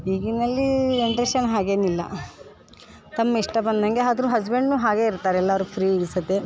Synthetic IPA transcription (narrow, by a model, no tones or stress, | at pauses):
iːɡinɐlːieɳʈɾeʃɐnɦaːɡe̞ːnilːɐ̰ | t̪ɐmːɐiʂʈɐbɐnd̪ɐŋɡe̞aːd̪ɾuɦɐd͡ʒbeɳɖnuːɦaːɡe̞iɾt̪aːɾeɛlːɐʋɾupʰɾiːeɡisɐt̪ːe